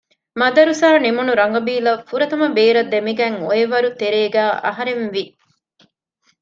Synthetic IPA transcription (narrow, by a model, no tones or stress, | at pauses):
mɐd̪ɐɾusaːnimunuɾɐŋɡɐbiːlɐfuɾɐt̪ɐmɐbeːɾɐd̪ːemiɡɐŋoeʋɐɾut̪eɾeːɡæːʔɐ̰ɦɐɾenʋi